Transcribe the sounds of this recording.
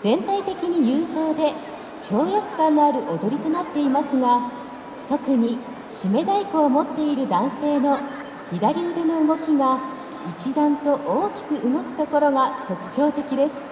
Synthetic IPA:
z̥ẽ̞nt̪ait̪e̞kʲiɲ̟ijɯːso̞ːd̪e̞ | t͡ɕo̞ːjakɯ̟̥kãnːoaɾɯ̟ʔo̞d̪o̞ɾʲit̪o̞nat̪ːe̞imasɨɡa | t̪o̞kɯ̟ɲ̟i | ɕime̞d̪aikoːmo̞t̪ːe̞iɾɯ̟d̪ãɰ̃se̞ːno̞ | çid̪aɾʲiod̪e̞no̞ɯɡo̞kʲiɡa | it͡ɕid̪ãnt̪o̞ʔoːkʲi̥kɯ̟ʔɯŋo̞kɯ̟̥t̪o̞ko̞ɾo̞ɡat̪o̞kɯ̟̥t͡ɕo̞ːt̪e̞kʲid̪e̞sɨ̥

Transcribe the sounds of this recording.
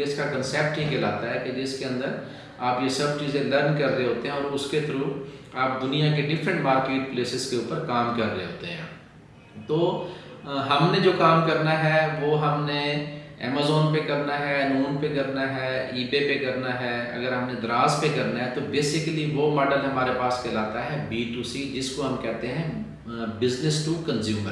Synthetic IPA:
ɪskakənsɛːp̚ʈjekɪlaːt̪aɦɛːked͡ʒɪskeə̃nd̪əɾ | aːpjesɐbt͡ʃiːzẽləɾnkɐɾːeɦoːt̪eɦɛ̃ɔːɾʊsket̪ʊɾuːaːp̚d̪ʊnijãkeɖɪfʰɾə̃ɳʈmaːɾkeːʈ̚pleːsɪzkeuːpəɾkaːmkɐɾːeɦo̰ːt̪eɦɛ̰̃ː | t̪oː | ɦɐmned͡ʒoːkaːmkɐɾnaɦɛʋoːɦɐmneɛ̰ːmaːzɔːnpekɐɾnaɦɛnuːnpekɐɾnaɦɛːiːbepekɐɾnaɦɛɐ̰ɡəɾɦɐmned̪ɾaːzpekɐɾnaɦɛt̪obeːsɪkliʋoːmɔːɖəlɦɐmaːɾepaːskʰɛlaːt̪aɦɛbiːʈuːsid͡ʒɪskoɦɐmkɛɦt̪eɦɛ̃ | bɪznɪsʈuːkənzjuːməɾ

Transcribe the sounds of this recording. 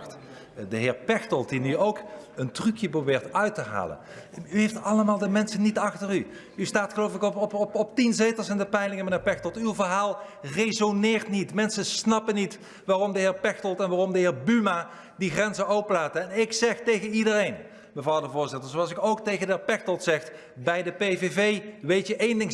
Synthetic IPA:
t | dəɦɪːɹpɛxtəlˠtdinyowkəntrykjəprobɪːɹtœɥtəɦa̰ːlə̰nyɦejftɑləmaːlˠdəmɛnsənːitɑxtəry | ystaːtχəlowfɪkɔɔpɔpɔptinzejtəsɪndəpɛjlɪŋəmənɪːɹpɛxtɔlˠtywvərɦaːlˠ | rejzonɪːrtnitmɛnsəsnɑpənit | ʋaːrɔmdəɦɪːɹpɛxtɔlˠtɛnʋaːrɔmdəɦɪːɹbyma | diχrɛnzənowpəlaːtəɛnɪksɛχtejɣənidərejn | məvrɑwdəvʊːɹzɪtəɹzowɑlˠsɪkowktejɣəndəɦɪːɹpɛxtɔlˠtsɛxt | bɛjdəpejvevejʋejtjəʔejndɪŋ

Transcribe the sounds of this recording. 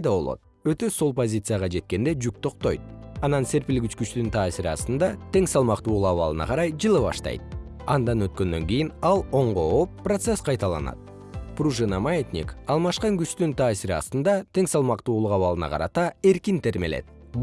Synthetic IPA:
jd̪ɑβo̞lˠo̞̰t̪̚ | øt̪ø̞so̞lˠpo̞zʲit̪sɨjaʁɑd͡ʒe̞t̪̚ke̞nd̪e̞d͡ʒyk̚t̪ʰo̞qt̪o̞̰jt̪̚ɑnɑnse̞ɾpilɡʲyt͡ʃkyt͡ʃt̪ynt̪ʰɑːsiɾiɑ̰st̪ɯnd̪ɑt̪ʰe̞ŋsɑlˠmɑqt̪uːlˠuqɑβɑlˠɯnɑ̰qʰɑɾɑjd͡ʒɯlˠɯβɑ̰ʃt̪ɑ̰jt̪̚ | ɑnd̪ɑnøt̪kø̞nd̪ø̞ŋɡʲijinɑlˠo̞ɴʁo̞opːrot̪sesqʰɑjt̪ɑlˠɑ̰nɑ̰t̪̚ | pruʒɨnamat̪ʲnʲḭkɑlˠmɑʃqɑŋɡyt͡ʃt̪ynt̪ʰɑːsiɾɑ̰st̪ɯnd̪ɑt̪ʰe̞ŋsɑlˠmɑqt̪uːlˠuqɑβɑlˠɯnɑ̰qʰɑɾɑ̰t̪ɑe̞ɾkint̪e̞ɾme̞le̞̰t̪̚

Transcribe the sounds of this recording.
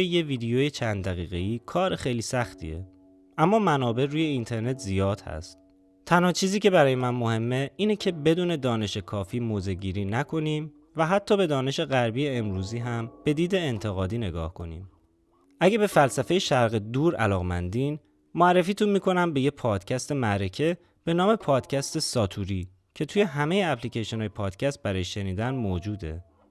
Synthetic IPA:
ejeviːd̪ejojet͡ʃʰænd̪d̪æɣḭːɣe̞iːkʰɒːɾexejliːsæxt̪ʰḭe̞̰ | ʔæmːɒːmænɒːbe̞ɾuːje̞int̪ʰe̞ɾne̞t̪ʰzijɒːd̪̥hæ̰st̪̚ | t̪ʰænhɒːt͡ʃʰiːziːcʰe̞bæɾɒːjemænmohe̞mːeiːnecʰe̞be̞d̪uːne̞d̪ɒːne̞ʃekʰɒːfiːmoːze̞ɟiːɾiːnækʰo̞niːm | væɦæt̪ʰːɒːbe̞d̪ɒːne̞ʃe̞ɣæɾbiːjeːmɾuːziːɦæmb̥e̞d̪iːd̪e̞ːnt̪ʰe̞ɣɒːd̪iːne̞ɡɒ̰ːhkʰo̞nḭːm | ʔæɟebe̞fælsæfejeʃæɾɣed̪uːɾʔæ̰lɒːɣmænd̪in | moæɾːefiːt̪ʰunmiːkʰo̞næmbe̞jepʰɒːd̪̥cʰæst̪e̞mæɾecʰe̞ | b̥e̞nɒːme̞pʰɒːd̪̥cʰæst̪e̞sɒːt̪ʰuɾiː | cʰe̞t̪ʰuːje̞ɦæme̞jeæpʰlicʰejʃonɒːjepʰɒːd̪̥cʰæst̪̚bæɾɒːjeʃe̞niːd̪ænmoːd͡ʒuːd̪e̞̰

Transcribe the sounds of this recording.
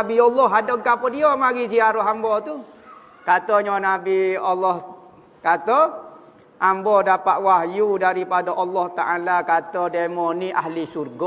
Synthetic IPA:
abiɔlːɔɦadɔkapədiomaɡisiaɾɔɦambɔt̪u | kat̪ɔɲɔnabiɔlːɔh | kat̪ɔ | ʔambɔdapaʔ̪waɦjudaɾipadaʔɔlːɔht̪aʔalakat̪ɔdemɔniʔahlisurɡɔ

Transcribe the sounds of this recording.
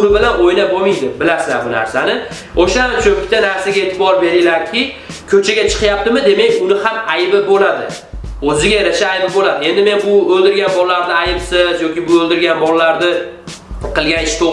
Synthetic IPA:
ʊɾɪbɪlanojnabomijd̪ɪbɪlasɪzaɾbʊna̰ɾsanɪ | oʃaamt͡ʃʰɵpɪt̪anaɾsaɡʲaet̪ʰɪbɒɾbe̞ɾɪlaɾkʲʰɪ | kʲʰɵt͡ʃʰaɡʲat͡ʃʰɨ̥qjap̚t̪ɪmɪd̪e̞mekʲʊnɪhamajbɪbolad̪ɪ̰ | ɵzɪɡʲajaɾaʃaːjbɪbolad̪ɪe̞nd̪ɪme̞nbʊɵld̪ɪɾɡʲanbɒlˠːaɾnɪajɪpsɪzjɒkʲɪbʊɵlˠd̪ɪɾɡʲanbɒlˠːaɾd̪ɪ | qʰɨlˠɡʲanɪʃt̪ʰo

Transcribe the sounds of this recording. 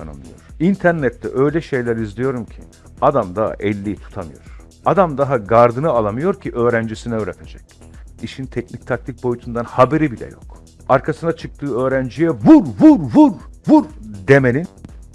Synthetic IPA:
a̰nɯ̰mlˠɯ̰joɾ̥int̪ʰæɾnɛt̪ʰːɛ̰ʔø̞jlʲɛʃe̞jlʲæɾizlʲijo̞ɾumcʰḭ | ad̪amd̪aɦa̰ʔɛlʲːijit̪ʰu̥t̪ʰamɯjo̞̰ɾ̥ | ad̪amd̪aɦaɡaɾd̪ɯnɯalˠamɯjo̞ɾcʰiʔø̞ːɾænd͡ʒisinɛøːɾet̪ʰed͡ʒɛc | iʃint̪ʰɛcnic̚t̪ʰak̚t̪ʰʲic̚ʲbo̞jut̪ʰund̪anhabeɾibilʲɛ̰jok | aɾkʰasɯnat͡ʃʰɯk̚t̪ʰɯːø̞ːɾænd͡ʒijɛvuɾvuɾvuɾvuɾd̪emelʲin

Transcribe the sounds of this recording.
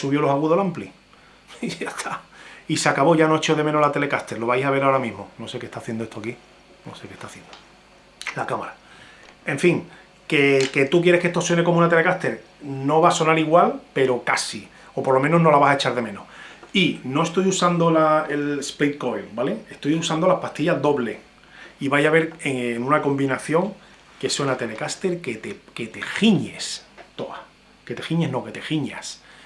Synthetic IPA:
suβjolo̞saɣuðolampli | ast̪ʰaiseakaβo̞ʝanoet͡ʃo̞ðe̞menolat̪e̞le̞kast̪e̞ɾlo̞βajsaβ̞e̞ɾaoɾamĩɦmono̞se̞ke̞ht̪aːθje̞nd̪oet̪oaki | no̞̰se̞ke̞ht̪aθjend̪o | lakamaɾa | e̞ɱfiŋ | ke̞ke̞t̪uk̬je̞ɾe̞hkest̪o̞swe̞ne̞ko̞moũnat̪ele̞kaht̪e̞ɾ | no̞βaso̞naɾiɣwalpe̞ɾo̞kasi | o̞poɾlo̞meno̞ɦno̞laβasaet͡ʃaɾðe̞mẽ̞no̰hino̞est̪o̞jusand̪o̞laelesplejt̪̚ko̞jbale̞e̞st̪o̞jusand̪olahpast̪iʎaðo̞βle̞ | iβajaβe̞ɾeŋːŋũnako̞mbinaθjo̞ŋ | ke̞swenat̪e̞le̞kast̪e̞ɾket̪eket̪e̞xiɲe̞̰st̪o̞a̰ | ke̞t̪e̞xiɲeɦno̞ke̞t̪e̞xiɲa̰s

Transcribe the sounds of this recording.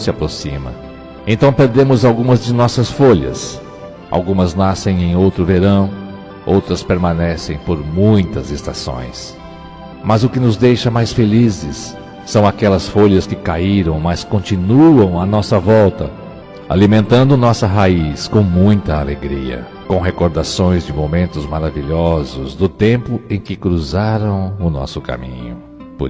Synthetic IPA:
sɪapɾosḭ̃mɐ̰̃ | ẽnt̪ɐ̃w̃peɾd̪ẽmʊzawɡũmɐzd͡ʒɪnɔsɐsfoʎɐ̰s | ʔa̰wɡũmɐznasẽj̃ẽj̃owt̪ɾʊveɾɐ̃w̃ | owt̪ɾɐspeɾmãnɛsẽj̃poɾmũj̃t̪ɐzest̪asõ̰j̃s | mɐzʊkɪnʊzd̪ejʃɐmajsfelizɪsː | ɐ̃w̃akɛlɐsfoʎɐskɪkaiɾɐ̃w̃mɐskõnt͡ʃinuɐ̃w̃ɐnɔsɐvɔwt̪ɐ̰ | a̰limẽnt̪ɐ̃nd̪ʊnɔsɐɦaiskõw̃mũj̃t̪ɐaleɡɾiɐ̰ | kõw̃ɦekoɾd̪asõj̃zd͡ʒɪmomẽnt̪ʊzmaɾaviʎɔzʊzd̪ʊt̪ẽmpʊẽj̃kɪkɾuzaɾɐ̃w̃ʊnɔ̰sʊka̰mḭ̃ɲʊ̰ | p

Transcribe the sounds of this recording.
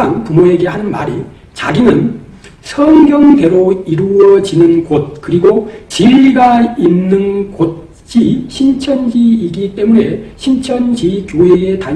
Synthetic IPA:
anpumoe̞ɡe̞hanɯnma̰ɾi | t͡ɕaɡinɯn | sʰʌŋɡjʌŋde̞ɾoiɾuʌd͡ʑinɯnɡot̚kɯɾiɡot͡ɕiʎːiɡainːɯnkot̚ | t͡ɕ͈iɕʰint͡ɕʰʌnd͡ʑiiɡit͈e̞mune̞ɕʰint͡ɕʰʌnd͡ʑikjoɦeeta

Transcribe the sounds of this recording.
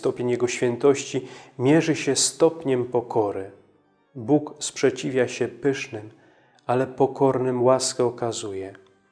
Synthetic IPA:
t̪ɔpʲeɲjɛɡɔɕfʲjɛnt̪ɔɕt͡ɕimʲjɛʐɘɕɛst̪ɔpɲɛmpɔkɔɾɘ | bukspʂɛt͡ɕivʲjaɕɛpɘʂnɘm | alɛpɔkɔɾnɘmwaskɛɔkazujɛ

